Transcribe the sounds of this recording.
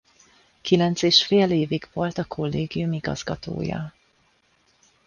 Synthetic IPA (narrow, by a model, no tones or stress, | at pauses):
kilɛnt̪seːʃfeːleːviɡvo̞lt̪ɒkʰo̞lːeːɡijumiɡɒ̰z̥ɡɒt̪o̰ːjɒ̰